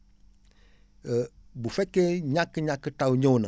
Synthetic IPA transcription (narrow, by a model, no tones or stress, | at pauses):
bufɛkeɲãkəɲãkətawuɲõwnə̰̃